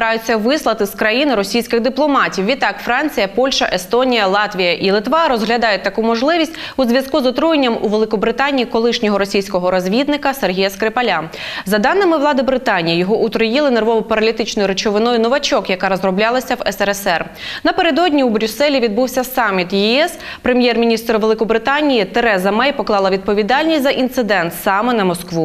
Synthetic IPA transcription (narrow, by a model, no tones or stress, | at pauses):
ɾɑjʊt͡sʲːɐʋɪslˠɐt̪ɪskɾɐjinɪɾɔsʲijsʲkɪɣd̪ɪplˠɔmɑtʲiwʋʲit̪ːɑkfɾɑnʲt͡sʲijɐpɔlʲʃɐʔest̪ɔnʲijɐlˠɑt̪ʲʋʲijɐʔilˠɪt̪ʋɑɾɔzɦlʲɐd̪ɑjʊt̚ʲt̪ːɐkumɔʒlˠɪʋʲisʲtʲuzʲʋʲjɐskuzɔt̪ɾujenʲːɐmuʋelˠɪkɔbɾɪt̪ɑnʲijikɔlˠɪʃnʲɔɦɔɾɔsʲijsʲkɔɦɔɾɔzʲʋʲid̪nɪkɐserɦʲijɐskɾepɐlʲa | zɐd̪ɑnːɪmɪwlˠɑd̪ɪbɾɪt̪ɑnʲijijɔɦɔʔut̪ɾɔjɪlˠɪnerʋɔʋɔpɐɾɐlʲit̪ɪt͡ʃnɔjʊɾet͡ʃɔʋɪnɔjʊnɔʋɐt͡ʃɔkjɐkɑɾɔzrɔblʲɑlˠɐsʲɐwɛsɛɾɛsɛr | nɐpe̞ɾed̪ɔdʲnʲiubɾʲusɛlʲiʋʲid̪buwsʲɐsɑmʲːit̪jɛɛs | pɾemʲjɛrmʲinʲist̪ɾɔʋelˠɪkɔbɾɪt̪ɑnʲijit̪eɾɛzɐmɛjpɔklˠɑlˠɐʋʲid̪̚pɔʋʲid̪ɑlʲnʲisʲtʲzɐʔint̪sɪd̪ɛnt̪sɑmenɐmɔskʋu